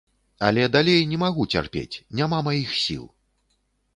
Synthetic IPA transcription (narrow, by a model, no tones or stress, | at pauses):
ɐ̰lʲɛd̪alʲejnʲɛmaɣut͡sʲa̰rpʲḛt͡sʲnʲamamajixsʲḭlˠ